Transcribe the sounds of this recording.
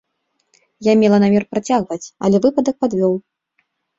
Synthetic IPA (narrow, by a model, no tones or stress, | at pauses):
jamʲɛlˠɐnamʲɛrpɾat͡sʲaɣvɐt͡sʲɐ̰lʲɛvɨpɐd̪ɐk̚pad̪vʲɔw